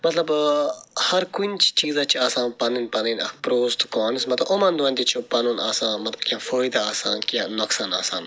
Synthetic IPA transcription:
mɐt̪lɐb | hɐɾkunt͡ʃʰi̥t͡ʃiːzaːt͡ʃʰiaːsãːnpɐninpɐninɐ̰kpɾoːst̪kaːnismɐt̪lɐbʔomɐnd̪uɐnʲt̪ʲit͡ʃʰopɐnunaːsãːnmɐt̪lɐbkʲafoːjd̪aaːsa̰ːnkãnɐksaːnaːsaːn

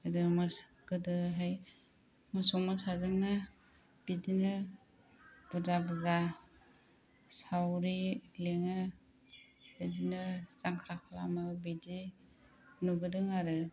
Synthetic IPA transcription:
adɯmɯs | ɡ̥ɯdɯɦaj | mɯsɔŋmɯsazɯŋnɯ | b̥idinɯ | b̥uzabɯza | sawɾileŋɯ | bedinɯzaŋkʰɾakʰala̰mɯbidi | nubɯdɯŋaɾɯ

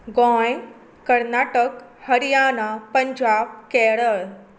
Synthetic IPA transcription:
ɡõj | kɐɾnaːʈəkhɐɾijaːnapɐ̃ɲd͡ʑaːb̚kɛːɽəl

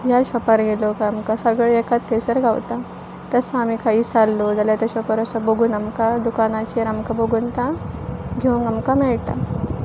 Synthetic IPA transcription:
jaɕɔpəɾɡelokaamkasəɡɭeɛkat̪ʰːesəɾɡʱawt̪a | t̪əsaamikʰaisalːod͡zaljat̪aɕɔpəɾəsaboɡuːnamkad̪ukanat͡ɕiəɾamkaboɡuːnt̪ãɡʱowŋɡamkamɛɭʈa̰

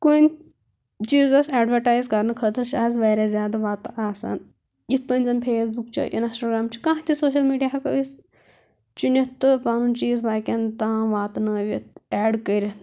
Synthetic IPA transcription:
kun | t͡ʃiːzɐsaːɖʋɐɾʈaːjzkɐɾnɨkʰɐt̪ɨɾʃaːzʋɐːɾʲazjaːd̪aʋaːt̪ʔaːsa̰n | jit̪̚ʰpɐnʲzɐnpʰeːsbukt͡ʃʰɐ̰ʔḭnɐsʈɐɡɾaːmt͡ʃʰi̥kãːɦt̪ʰisoːʃ̬ɐlmiːɖijaɐkɐ̰is | t͡ʃunit̪ːɨpaːnunt͡ʃiːzbaːkʲɐnt̪ãːʋaːt̪nɐʋit̪̚ɛːɖkəɾʲɐ

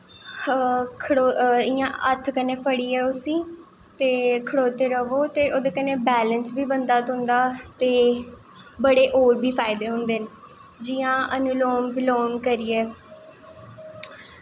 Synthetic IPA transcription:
kʰɽoɪjãːʔət̪ʰkəneːpʰəɽiːɛːʊsĩː | t̪eːkʰəɽoːt̪eːɾəʋoːt̪eːʔoːd̪eːkəneːbɛːlənsbiːbənd̪aːt̪ʊ̃nd̪aːt̪eː | bəɽeːʔoːɾbiːpʰaːɪd̪eːɦʊ̃nd̪eːn | d͡ʒɪːãːʔənʊloːmbɪloːmkəɾiːɛː

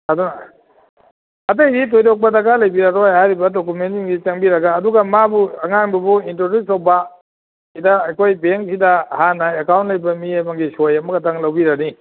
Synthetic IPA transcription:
ɐduna | ɐtejdit̬ojdok̚pɐdaɡalɐjbiɾaɾojhajɾibɐdok̬umentiŋɡit͡ʃɐŋbiɾɐɡaːduɡɐmabuɐŋaŋbɐbuintodusowbɐ | idɐɐjkʰojbeŋsʰidɐhanaekawntlɐjbɐmiajmaŋɡisojɐmɐɡɐtʰaŋlɐwbiɾani

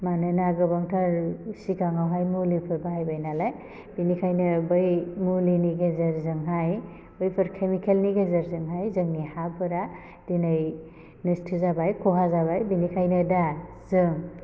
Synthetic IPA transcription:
manɯnaɡɯbaŋtʰaɾsikaŋawɦajmulipʰɯɾbaɦajbajnalaj | binikʰajnɯbɯjmuliniɡezaɾzɯŋɦaj | bɯjpʰɯɾkʰemikʰelniɡezaɾzɯŋɦajzɯŋnihapʰɯɾa | d̥inaj | nɯstʰɯzabajkʰoɦazabajbinikʰajnɯdazɯŋ

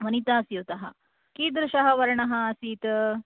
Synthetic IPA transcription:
ʋɐnit̪aːsjuwt̪ɐɦɐ̰ | kiːd̪ɾɪʃɐɦɐʋɐɾɐɳɐɦɐ̆ːsiːt̪

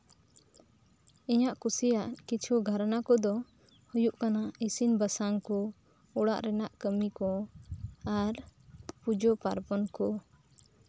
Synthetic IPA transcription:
iɲaʔkusijaʔkit͡ʃʰuɡʱaɾnakɔd̪ɔ | hujuʔkanaisinbəsaŋkɔ | uɽa̰ʔɾɛnaʔkəmikɔ | aɾpud͡ʒɔpa̰ɾbɔnkɔ

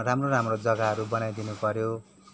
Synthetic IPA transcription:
ramroɾamrod͡zʌɡaɦʌɾubʌnajd̪inupʌɾjo

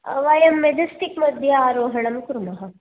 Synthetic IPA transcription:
ɐ̰ʋajɐmːed͡ʒ̪ɐsʈikmɐd̪ʱjɐaːɾoːɦɐɳɐmkuɾmɐɦɐ

